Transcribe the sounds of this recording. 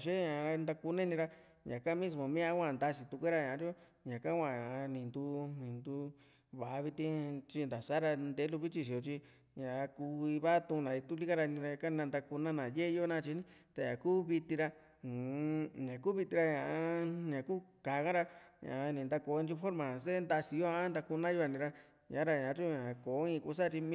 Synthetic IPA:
ʃe˦ɲã˨˧ɾa˧nd̪a˧ku˧nẽ˦˧nĩ˧ɾa˧ | ɲã˨kã˦mĩ˦s̬mõ˨mĩ˦ã˧˦kʷã˧˨nd̪a˧si˨t̪u˧kʷe˦ɾa˧ɲã˨˧ɾi˦o˦ | ɲã˨kã˦kʷã˧˨ɲã˨˧nĩ˨nd̪u˧nĩ˨nd̪u˧ | βa˨˧βi˧t̪ĩ˧t͡ʃi˧nd̪a˨sa˦ɾa˧nd̪e˧˦lu˧βi˦t͡ʃi˧ʃ̬i˧˨o˧t͡ʃi˧ | ɲã˨˧ku˧i˧βa˦t̪ũ˧nã˨i˧t̪u˦˧li˦kã˦ɾa˧nĩ˧ɾa˧ɲã˧ka˦˧nã˧nd̪a˧ku˧nã˦nã˨je˦˧jo˦nã˦˧t͡ʃi˧˦nĩ˦t̪a˧ɲã̰˨kuː˦βi˧t̪ĩ˧ɾa˧˨ | ɲã˨kuː˦βi˧t̪ĩ˧ɾa˧ɲã˨ʔa˧˦˧ɲã˨ku˦ka˨˦kã˦ɾa˧ɲã̰˨˧nĩ˨nd̪a˧ko˨˦˧ĩ˧t͡ʃu˧fo˦ɾmã˨se˦nd̪a˧si˨˧jo˦a˧a˦nd̪a˧ku˧nã˦jo˧a˧˨nĩ˧ɾa˧ | ɲã˨˦ɾa˧ɲã˨˦t͡ʃu˦˧ɲã˨˧ko˨˦ĩ˧ku˧˦s̬a˦˧t͡ʃi˧m̃˦

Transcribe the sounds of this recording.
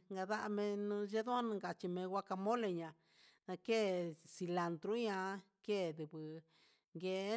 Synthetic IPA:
ŋɡa˧ða˦ʔa˧mẽ˧nũ˧ʒe˦ðo˦ã˦nũ˧ŋɡa˨t͡ʃi˧mẽ˧wʷa˦˧ka˧mõ˦le˧ɲã˨ | nã˧ke˦˨si˧la˨nd̪ɾu˦ɲã˧˦ | ke˦˨ðu˨βɨ˨ | ŋɡe˧˦

